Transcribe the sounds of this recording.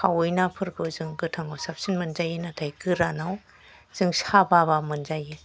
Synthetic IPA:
kʰawɯjnapʰɯɾɡɯzɯŋɡɯtʰaŋawsap̚sinmɯnzajinatʰajkɯɾanaw | z̥ɯŋsababamɯnzaji

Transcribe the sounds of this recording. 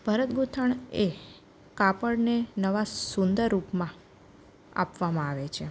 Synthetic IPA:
bʱəɾət̪ɡut̪ʰəɳe | kapəɽnenəʋasund̪əɾːupmã | a̰pʋamãaʋet͡ʃʰe

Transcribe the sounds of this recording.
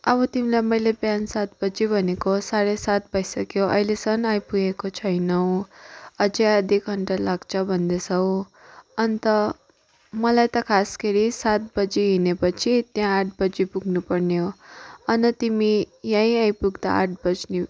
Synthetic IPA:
ʌbʌt̪imilajmʌjlebjansat̪̚bʌd͡zibʱʌnekosaɾesat̪̚bʱʌjsʌkjoʔʌ̰jlesʌnajpuɡekot͡sʰʌjnʌw̃ʌd͡zeʌd̪ʱikɡʱʌɳʈalaɡt͡sʰʌbʱʌnd̪esʌw̃ | ʌnt̪ʌ | mʌlajt̪ʌkʰaskeɾisat̪̚bʌd͡ziɦinepʌt͡sʰit̪jãːʈ̚ʰbʌd͡zipuɡʱnupʌrneɦoʌnʌt̪imijãĩajpuɡd̪a̰aʈ̚bʌd͡zni

